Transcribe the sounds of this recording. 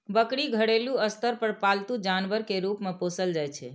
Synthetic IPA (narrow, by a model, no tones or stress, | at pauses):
bəkɽiɡʱəɽeluəst̪əɾpəɾpalt̪ud͡ʒanbəɾkeɾupmeposəld͡ʒajt͡ʃʰɛ